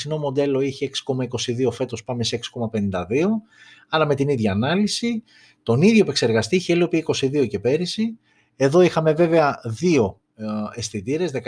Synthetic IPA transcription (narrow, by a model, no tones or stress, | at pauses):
sino̞mo̞nd̪e̞lo̞içieksi̥ko̞mɐiko̞siðio̞fe̞t̪o̞spɐme̞see̞ksi̥ko̞mɐpe̞nind̪ɐðio̞ | ɐɾɐme̞t̪iniðʝɐːnɐlisi | t̪o̞niðʝo̞epe̞kse̞ɾɣɐst̪iiçeliopiiko̞siðio̞ce̞pe̞ɾisi | e̞ðo̞ixɐme̞ve̞ve̞ɐðio̞ | e̞sθit̪iɾe̞zðek